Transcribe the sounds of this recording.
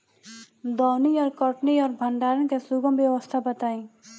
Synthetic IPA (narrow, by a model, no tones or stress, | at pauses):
d̪ɔːniɔːɾkɔʈniɔːɾbʱɐnɖ̪aːɾənkesuɡəmjəwəst̪ʰabɐt̪aːĩː